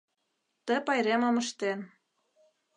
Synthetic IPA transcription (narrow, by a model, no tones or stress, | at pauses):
t̪ə̆pɑjɾemɤmə̆ʃt̪en